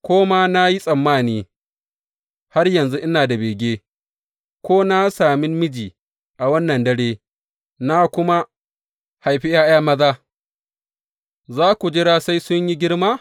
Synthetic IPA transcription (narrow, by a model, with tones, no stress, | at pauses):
kʷoː˦maː˦na˦ji˦sʼɐ˨mːaː˦˨niː˦ | ha˦rjɐ˨nzu˦ʔɪ˦naː˨da˨beː˨ɡʲeː˦ | kʷoː˦na˦saː˨mɪ˦mːɪ˦d͡ʒiː˨ | ʔa˨wɐ˦nːɐ˨ndɐ˦ɽeː˦ | na˦kʷʊ˦ma˦ | ha˨jɸi˦jaː˦j̰aː˦mɐ˦zaː˦ | zaː˦kʷu˨d͡ʒɪ˦ɽaː˦sa˦jsʊ˦ɲji˦ɡʲɪ˦ɽmaː˦